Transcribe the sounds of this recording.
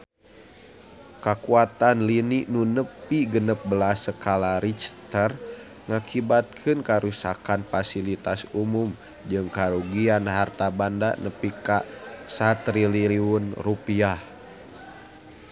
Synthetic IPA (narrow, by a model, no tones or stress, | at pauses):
kakuat̪anlininunəpiɡənəp̚bəlasəkalaɾit͡ʃt̪ər | ŋakʰibat̪̚kʰɨnkaɾusakanfasilit̪asumum | d͡ʒɨŋkaɾuɡianɦart̪abanda̰nəpikasat̪ɾiliiunrupiah